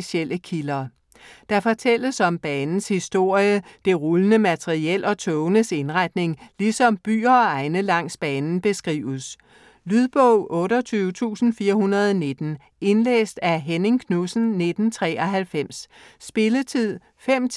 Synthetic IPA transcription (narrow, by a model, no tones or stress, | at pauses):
iɕel̰əkʰilɐː | d̥ɑ̈fɒ̽t͡sʰel̰əsɒ̽mb̥ɛːnn̩shisd̥o̝ɐ̰jəd̥e̝ʁulənəmæt͡sʰeʁiel̰ɒ̽t͡sʰɔʊnəse̝nʁad̥ne̝ŋlisɒ̽mb̥y̰ːɐɒɑ̈ɪnəlɑ̈ŋ̰sb̥ɛːnn̩b̥e̝sɡ̥ʁḭːʊs | lyðˠb̥ɔʊ̰ʔɔ̽ːɾɒt͡sʰyːʊt͡sʰṵːsn̩fiːɐhunɐð̞ˠɒne̝d̥n̩ | e̝nlḛːsd̥æɦeneŋkʰnusn̩ne̝d̥n̩t͡sʰʁɛ̰ːɒ̽ɦælfem̰sːb̥e̝lət͡sʰið̰ˠ | fem̰ʰ